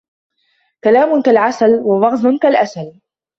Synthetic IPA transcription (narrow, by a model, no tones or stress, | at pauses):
kalaːmʊkalʕasalwabɑɣzˤʊnkalʔasal